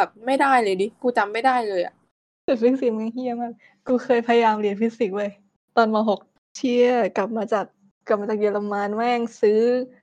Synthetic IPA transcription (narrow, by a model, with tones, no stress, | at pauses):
p̚ma˥˩jdaː˥˩jlɤː˧di˧˦kuː˧t͡ɕa˧mːa˥˩jdaː˥˩jlɤː˧jʔa̰˨˩ | su˨˩t̪̚fi˦˥k̚si˨˩˦ma˧ŋhi˧˩əma˨˩ | kuː˧kʰɤː˧jpʰa˧ja˧jaː˧mli˧˩ənpʰi˦˥si˨˩k̚lɤː˧˩j | t̪ɔː˧nmɔː˧ɦo˨˩k̚ | t͡ɕʰi˧˩əɐka˨˩p̚maː˧t͡ɕaː˨˩k̚ | kla˨˩pmaː˧t͡ɕaː˨˩k̚ji˧la˧mːaː˧nwɛː˥˩ŋsɯː˦˥